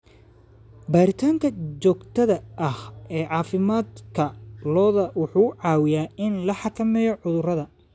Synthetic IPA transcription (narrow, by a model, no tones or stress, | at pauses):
baːɾɪt̪ʰaːŋkʰɐt͡ʃɔːɡt̪ʰɐðɐʔɐhɛːʕɑːfɪmaːd̪kʰɐlɔːðɐwʊħuːʕɑːwɪjaːɪnlɐħɑkʰɐmɛːjɔʕʊðʊrɐðɐ